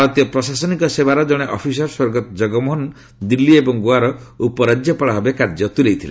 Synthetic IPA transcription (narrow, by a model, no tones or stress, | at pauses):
ɔt̪ijɔpɾɔsasɔnikɔsebaɾɔd͡ʒɔɽ̃eʔɔpʰis̬ɔɾswɔɾɡɔt̪ɔd͡ʒɔɡɔmɔɦɔn | d̪ilːiebɔŋɡuaɾɔ | upɔɾad͡ʒjɔpɔɭaɦɔbekaɾd͡ʒɔt̪ulejt̪ʰile